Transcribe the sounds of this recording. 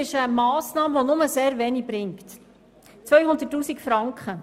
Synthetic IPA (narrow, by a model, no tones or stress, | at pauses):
ɪʃəmɑːsnɑːmʋɔnʊməseːɾvɛːnik̚bɾɪŋkt | t͡sʋœɥhʊnd̪ətːuːsikfɾɑŋkχə